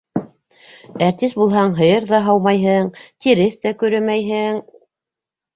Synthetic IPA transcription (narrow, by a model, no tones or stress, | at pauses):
æɾt̪isbulˠɦɑɴɦɤ̆jɤɾðɑɦɑwmɑjɦɤɴt̪iɾɘθt̪ækɵ̆ɾɘmæjɦɘŋ